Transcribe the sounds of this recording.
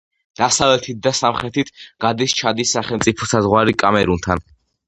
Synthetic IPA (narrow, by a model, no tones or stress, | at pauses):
d̪̥asavlɛt̪ʰit̪̚d̪asamχɾɛt̪ʰit̪ʰɡ̥ad̪ist͡ʃʰad̪isːaχɛlˠmt̪sʼipʰɔsazʁwaɾikʼamɛɾunt̪ʰan